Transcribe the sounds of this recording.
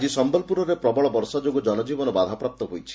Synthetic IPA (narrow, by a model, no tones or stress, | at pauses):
d͡ʒisɔmbɔlpuɾɔɾepɾɔbɔɭɔbɔɾsad͡ʒoɡɔd͡ʒɔnɔd͡ʒibɔnɔbad̪ʱapɾap̚t̪ɔɦojt͡ʃʰi̥